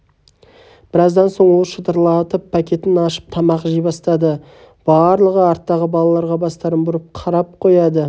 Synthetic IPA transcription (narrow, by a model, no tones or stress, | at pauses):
b̥ɪɾɑzd̪ɑnso̞ɴwo̞lˠʃət̪əɾlˠɑt̪əpʰːakʲe̞t̪ːɪnɑʃə̥p̚t̪ʰɑmɑqʒijbɑst̪ɑd̪ə | b̥ɑɾlˠəʁəɑɾt̪ːɑʁəbɑlˠɑlˠɑɾʁɑbɑst̪ɑɾəmbʊɾəp̚qʰɑɾɑp̚qʰo̞jɑd̪ə